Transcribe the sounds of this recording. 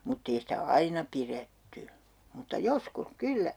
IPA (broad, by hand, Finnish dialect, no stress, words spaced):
mutː ei sitæ ɑinɑ piretːy mutːɑ joskus kylːæ